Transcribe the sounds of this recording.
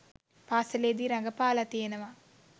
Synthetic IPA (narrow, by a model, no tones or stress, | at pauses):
paːsɐleːd̪iɾɐŋɡɐpaːlɐt̪iːnɐʋa